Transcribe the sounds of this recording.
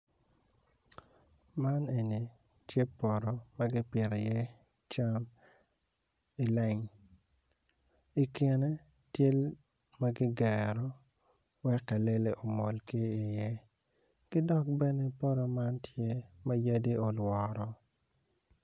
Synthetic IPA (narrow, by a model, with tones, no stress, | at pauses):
ma˦ne˨ni˨ | t͡ʃje˦pɔ˨ɾo˨ma˦ɡɪ˦pjɪ˨ɾe˨jɛ˦ | t͡ʃa˦m | i˨lɛ˦ɲ | i˨ke˨ne˦ | tje˦l | ma˦ɡɪ˦ɡɛ˨ɾɔ˦ | wɛ˦kːa˨le˦le˨ʔo˨mo˨lke˦i˨jɛ˦ | ɡ̥ɪ˦dɔ˦k̚bɛ˦ne˦pɔ˦ɾɔ˨ma˦ntʰje˦ma˦ja˦di˦o˨lwɔ˨ɾɔ˨˦